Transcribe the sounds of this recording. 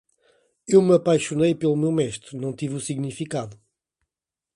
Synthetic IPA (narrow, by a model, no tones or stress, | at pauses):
ewmɐpajʃunɐjpelˠumewmɛʃt̪ɾunɐ̃w̃t̪ivusiɣnifikaðu